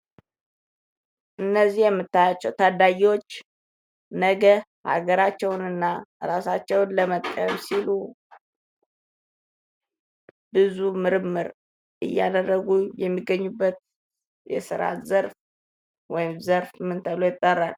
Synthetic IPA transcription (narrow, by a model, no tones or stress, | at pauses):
ʔɨnːəzːihjɛmːɨt̪ːajat͡ʃːɛwt̪ʰad̪aɡiwo̞t͡ʃː | nəɡəha̰ɡəɾat͡ʃːɛwnɨnːaɾasat͡ʃːɛwnləmət̪ʼkʼə̰msilu | b̥ɨzumɨɾɨmːɨɾ | ʔɨ̰jːa̰d̪ərːəɡujɛmːiɡːəɲːubːət̪̚ | jɛ̰sɨɾa̰t̪zəɾf | wɔjɪmzəɾfmːɨnt̪ʰəβlo̞jɪt̪ʼːərːal